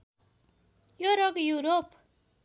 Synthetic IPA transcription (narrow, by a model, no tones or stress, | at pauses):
joɾʌɡjuɾop